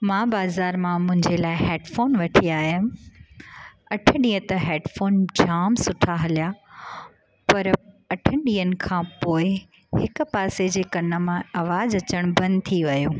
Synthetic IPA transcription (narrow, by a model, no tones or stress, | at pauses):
mãːbaːzaːɾmãmʊ̃ɦɪ̃ɲd͡ʑelaːɪɦeːɖfoːnʋɐʈʰiaːɦiʊn̆ | ɐʈʰəɗiːə̃t̪ɐɦɛːɖfoːnd͡ʑaːmsʊʈʰaɦɐlja | pɐɾ | ɐʈʰəɗiːənɪ̆kʰãːpoːɪ | hɪkʊ̆paːsed͡ʑeːkɐnə̆mãɐʋaːzɐt͡ɕəɽ̃bɐ̃nd̪t̪ʰiʋɐjuː